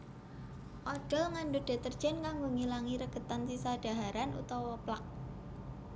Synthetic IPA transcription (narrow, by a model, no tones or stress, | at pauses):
ʔɔɖ̥ɔ̤lŋanɖoɖ̥e̤t̪ərd̥ʒ̥ɛ̤nkaŋɡoŋilaŋiɾəɡ̥ə̤t̪ansisaɖ̥a̤ɦaɾanṵt̪ɔwɔplak̚